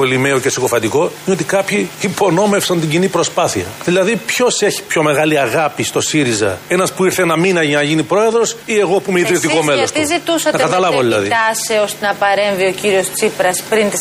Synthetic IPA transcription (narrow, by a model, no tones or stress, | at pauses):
olimeocesikofɐt̪iko̞ineo̞t̪ikɐpçiːpo̞no̞me̞fsɐnt̪iɲɟinipɾo̞spɐθiɐ̰ðilɐðipço̞se̞çi̥pço̞me̞ɣɐliɐɣɐpist̪o̞siɾizɐ̰e̞nɐspuiɾθenɐminɐʝɐnɐʝinipɾo̞e̞ðɾo̞sie̞ɣopumeiðɾist̪iko̞melost̪uzit̪usɐt̪ɐkɐt̪ɐlɐvvoðilɐ̰ðit̪ɐseo̞st̪enɐpɐɾe̞ɱvio̞ciɾio̞st͡sipɾɐspɾint̪i